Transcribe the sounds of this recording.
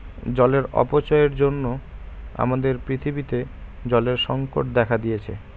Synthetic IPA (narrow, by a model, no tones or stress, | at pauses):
d͡ʑɔleɾɔ̰pot͡ɕɔeɾd͡ʑonːo | a̰mad̪eɾpɾit̪ʰibit̪e | d͡ʑɔleɾʃɔŋko̰ʈ̚d̪ɛkʰad̪ijet͡ɕʰḛ